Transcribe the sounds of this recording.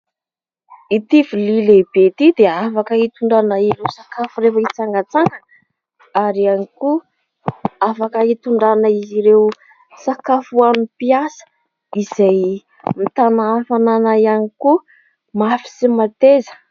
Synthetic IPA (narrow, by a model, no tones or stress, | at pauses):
it̪ivilileb̥et̪id̪eafakəit̪uɳɖ͡ʐanaiɾewsakafuɾefəit͡saŋɡət͡saŋɡə | aɾianiku | afakəit̪uɳɖ͡ʐanaiziɾew | sakafuanupiasə̥ | iz̥aj | mit̪anafananajaniku | mafi̥simat̪ezə̥